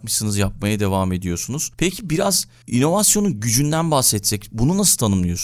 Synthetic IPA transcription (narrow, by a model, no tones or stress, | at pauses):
kmɯsɯnɯzjap̚majad̪e̞vaːme̞d̪ijo̞sunuz̥pʰɛcʰibiɾaz | ḭno̞vasjo̞nuɟyd͡ʒynd̪ænbaxsɛt̪sʰɛcbununasɯt̪ʰanɯmlˠɯjo̞s